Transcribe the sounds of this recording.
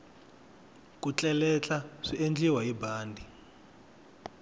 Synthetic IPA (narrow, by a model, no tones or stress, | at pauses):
kut͡ɬʼɛlɛt͡ɬaʂiʔend͡ɮiwaɦibaːndʱi